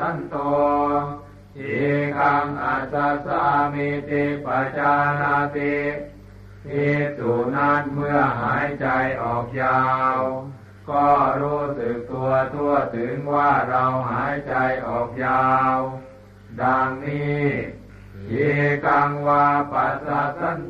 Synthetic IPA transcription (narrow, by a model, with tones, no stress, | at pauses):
a˧˥˨nt̪ɔ˧ | he˨˦ka˧ŋʔa˧˩sa˧sa˧˥˧meː˧t̪i˧k̚pa˧t͡ɕaː˧na˧t̪i˧ | heː˧t̚su˨˩na˧˩˨n̚mɯ˧ɐɦaː˨˩˦jt͡ɕa˨˧jʔɔː˨˩k̚jaː˧w | kɔː˧˩ɾuː˧˩sɯ˨˧˩k̚t̪u˧ɐt̪u˧ɐt̪ʰɯ˨˦ŋwaː˧˩ɾa˧wɦaː˨˦˥jt͡ɕa˧jʔɔː˨˩k̚jaː˧w | da˧ŋniː˧˥˩ | he˨˦ka˧ŋwaː˧pa˧saː˧˩sa˧˥˨n